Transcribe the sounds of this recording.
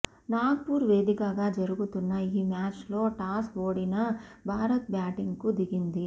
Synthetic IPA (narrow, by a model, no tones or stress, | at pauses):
naːɡpuːɾʋe̞ːd̪ikɐɡaːd͡ʒɐɾuɡut̪unːɐiːmaːt͡ʃlo̞ːʈaːsoːɽinɐbʱaːɾɐt̪̚bjaːʈiŋɡkud̪iɡind̪i